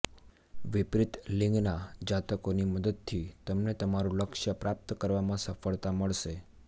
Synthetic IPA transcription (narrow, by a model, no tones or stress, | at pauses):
ʋɪpɾɪt̪lɪ̃ŋɡnad͡ʒat̪əkoniməd̪əd̪̚t̪ʰit̪əmnet̪əmaɾũləkʃəpɾap̚t̪kəɾʋamãsəfəɭt̪aməɭʃe